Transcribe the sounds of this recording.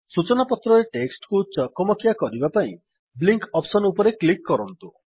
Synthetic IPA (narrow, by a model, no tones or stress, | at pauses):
sut͡ʃɔnapɔt̪ɾɔɾeʈeksʈkut͡ʃɔkɔmɔkijakɔɾibapaĩ | bliŋkɔpsɔnupɔɾeklikːɔɾɔnt̪u